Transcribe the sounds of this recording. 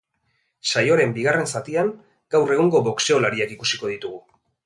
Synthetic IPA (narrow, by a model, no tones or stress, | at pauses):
sajo̞ɾe̞mbiɣare̞nsat̪iaŋ | ɡawre̞ɣ̞uŋɡo̞βokse̞o̞laɾiakikusiko̞ð̞it̪uɣ̞u